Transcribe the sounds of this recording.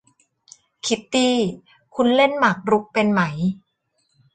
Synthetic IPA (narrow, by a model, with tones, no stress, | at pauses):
kʰi˦˥t̪̚d̪iː˧ | kʰu˧nle˥˩nma˨˩k̚ɾu˦˥k̚pe˧nma˦j